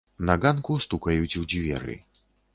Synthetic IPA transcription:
nɐɡankust̪ukɐjut͡sʲwd͡zʲvʲɛ̰ɾɨ̰

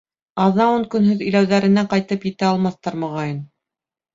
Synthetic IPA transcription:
ɑðɑuŋkɵ̆nɦɵðɵ̆jlæwðæɾɘ̆næqɑjt̪ɤpjɘ̆t̪æɑlˠmɑθt̪ɑɾmɤ̆ʁɑjɤn

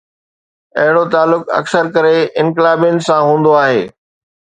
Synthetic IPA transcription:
ɐɦɪɽot̪aːlːʊkɐ̰ksəɾkɐɾeɪ̃nkɪlaːbijənɪ̆sãɦũːn̆d̪oaːɦḛː

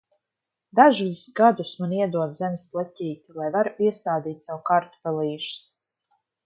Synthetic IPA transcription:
d̪aʒuzɡad̪usmaniɛd̪uɔt̪zɛmʲɪsplˠatʲiːt̪ilˠajvaɾuiɛst̪aːd̪iːt̪ʲsawukaɾt̪u̥pɛlˠiːʒu̥s

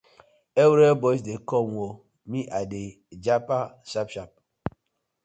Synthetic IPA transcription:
ewɾebɔs̬dekɔmʷo | miʔade | d͡ʒapasapʃap̚

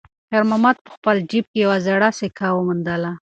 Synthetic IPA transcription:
heɾmamɑt̪̚pə̥xpəld͡ʒib̚kejawazaɽasekʰawəmʊnd̪əla

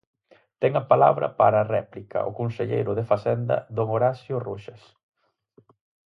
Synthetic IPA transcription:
t̪ɛŋɐpala̰βɾɐ̰pa̰ɾaːrɛplikɐ̰ʊ̰konseʎḛjɾʊðefasɛnd̪ɐ̰ðoŋoɾasjʊruʃes

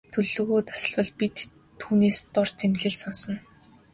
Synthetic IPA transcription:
t̪ʰɵɮɵ̆ɣuːt̪ʰḁsə̆ɮpɞ̆ɮpit̪ʰː | uːneːst̪ɔr̥t͡semɮɘ̆ɮsɔnsɞ̆n

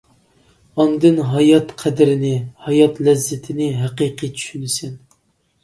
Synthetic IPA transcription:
ɑnd̪ɨnɦɑjɑt̪qʰæd̪ɪɾɪnɪhɑjɑt̪lɛzːɪt̪ʰɪnɪɦæqiqʰit͡ʃʰy̥ʃynɪsɪn

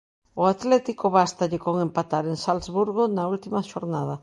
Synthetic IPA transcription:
oat̪lɛt̪ikoβast̪aʎekoŋẽmpat̪aɾeŋsalzβuɾɣonault̪imaʃoɾnaðɐ

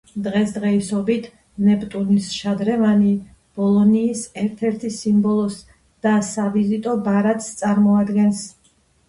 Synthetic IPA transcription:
d̪ʁɛsd̪ʁɛisɔbit̪ʰ | nɛpt̪ʼunisʃad̪ɾɛvani | b̥ɔlˠɔniːsɛɾt̪ʰɛɾt̪ʰisimbɔlˠɔs | d̪̥asavizit̪ʼɔbaɾat̪ʼst̪sʼaɾmɔad̪ɡɛns

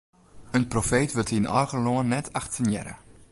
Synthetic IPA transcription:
ənprofeːtʋətinɔ̰rɣəloənːɛtʰaxtsənjɛ̰ɾə̰

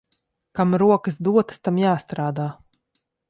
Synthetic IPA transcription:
kamɾuɔkɨsd̪uɔt̪ə̥st̪amjaːst̪ɾaːd̪aː

